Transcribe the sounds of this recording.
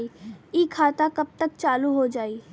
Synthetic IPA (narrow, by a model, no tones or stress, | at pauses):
iikʰaːt̪akəb̚t̪ək̚t͡ʃaːluɦod͡ʒaːi